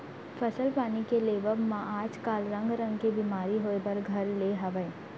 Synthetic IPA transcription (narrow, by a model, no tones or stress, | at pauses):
fʰɐsəlpaːnikeleːʋəbmãʔaːd͡ʒkaːlɾɐ̃ŋɡɾɐ̃ŋɡkebimaːɾiɦoːebɐɾɡʱɐɾleɦɐʋəe